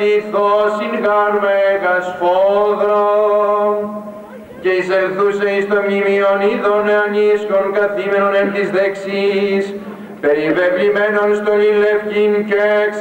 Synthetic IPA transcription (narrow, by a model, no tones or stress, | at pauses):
iθosinɣɐɾmeɣɐsfoðɾo | ceisenθuseist̪omimioniðoneɐniskonkɐθimenonent̪izðeksis | peɾivevlimenonst̪onilefcinceks